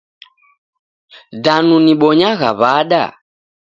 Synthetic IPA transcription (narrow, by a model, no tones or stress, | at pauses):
danuniɓɔɲaɣa̰βaɗa̰